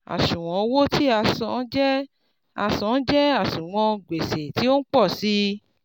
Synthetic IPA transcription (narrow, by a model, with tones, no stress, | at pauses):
a̰˨sũ˨w̃ɔ̃˨˦wo˦ti˦a˨˧˨sɔ˧˦d͡ʒɛ˦ | a˧sɔ̃˨˧˦d͡ʒɛ˦a˦˨ʃũ˨w̃ɔ̃˧ɡ͡be˨se˨ti˨˦o˦n̩˦k͡pɔ˦˨si˦